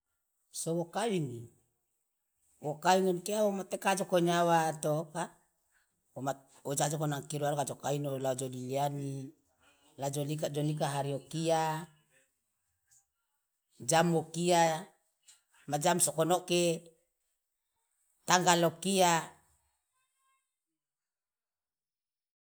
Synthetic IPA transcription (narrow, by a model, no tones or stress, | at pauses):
sowokawiŋi | wokawiŋɔnt̪iawomat̪ekad͡ʒokoɲawat̪oka | oma | wod͡ʒad͡ʒokonaŋkiɾualokad͡ʒokainolaod͡ʒodiliani | lad͡ʒolikad͡ʒonik̬aɦaɾiokia | d͡ʒamokia | mad͡ʒamsokɔnoke | t̪aŋɡalokia